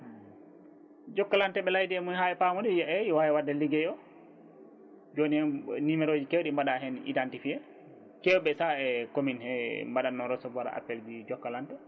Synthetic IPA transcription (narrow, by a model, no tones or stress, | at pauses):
d͡ʒɔkːalantɛɓɛlajdiɛmunhaɛpamɔdijɛwajɛwadːɛliɡɛjɔ | d͡ʒonihɛnimɛɾod͡ʒikɛwɔɗimbaɗaɦɛnḭdantifiɛ | kɛwɔɓɛsaɛkominhɛmbaɗanːɔɾɔsɔbaɾa̰ʔa̰pːɛld͡ʒid͡ʒɔkːalantɛ